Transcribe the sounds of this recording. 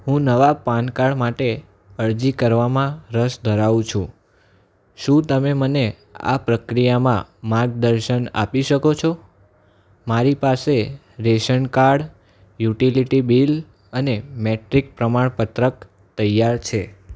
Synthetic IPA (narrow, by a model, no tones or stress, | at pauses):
ɦũnəʋapankaɽmaʈe | əɾd͡ʒikəɾʋamãɾəʃd̪ʱəɾaʋũt͡ʃʰũ | ʃũt̪əmeməne | a̰pɾəkɾijamã̰maɾɡ̚d̪əɾʃəna̰piʃəkot͡ʃʰo | maɾipase | ɾeʃəɳkaɽ | juʈiliʈibil | ənemeʈɾik̚pɾəmaɳpət̪ɾək | t̪əjaɾt͡ʃʰe